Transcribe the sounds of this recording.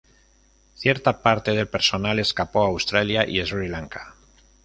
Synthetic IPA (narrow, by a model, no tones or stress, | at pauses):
θje̞ɾt̪apaɾt̪e̞ð̞e̞lpe̞ɾso̞nale̞skapo̞awst̪ɾaljaʔḭesuɾilaŋkḁ